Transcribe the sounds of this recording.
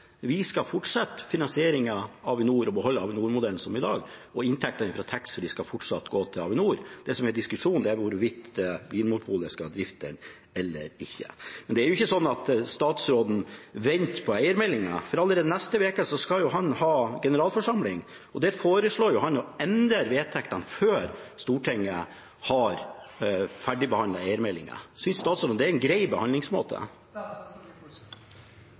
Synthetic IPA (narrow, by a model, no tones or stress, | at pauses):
ʋɪskɑfɔʈʂɑt̪ːfɪnɑnsɪeːɾɪŋɑɑʋɪnuːɾɔbəɦɔlːəɑʋɪnuːɾmʊd̪ɛln̩sɔmɪd̪ɑ̰ːɡɔɪnt̪ʰɛk̚t̪ɑnɪfɾɑt̪ʰɛksfɔɖɪskɑfɔʈʂɑt̪ːɡoːt̪ʰɪlɑ̰ʋɪnuːɾd̪̥ɛsɔmhɛd̪ɪskʉʂuːnd̪ɛæɾʋʊɾʋɪt̪ɛbiːnmʊpʰuːləskɑd̪ɾɪft̪əɳ | ɛlːə̰ɾɪçːə̰mɛnd̪ɛæɾjʊɪçːəsɔnːɑt̪st̪ɑːt̪sɾoːd̪n̩ʋɛnt̪pʰɔæɪəɾmɛlːɪŋɑ̰fɔɾɑlːəɾeːd̪ənɛst̪əʋeːkəsɔskɑljʊɦɑnhɑːɡɛnəɾɑːlfɔʂɑmlɪŋ | ɔd̪æːɾfoːɾəʂɭoːɾjʊhɑnjɔɛnd̪əɾʋeːt̪ʰɛkt̪ɑnføːɾst̪uːʈʰɛŋːə | hɑɾ | fæɖɪbəhɑndlɑæɪəɾmɛlːɪ̰ŋə̰sʏnsːt̪ɑːt̪sɾoːd̪nd̪ɛæɾɛnɡɾæɪbəhɑnd̪lɪŋsmo̰ːt̪ʰə̰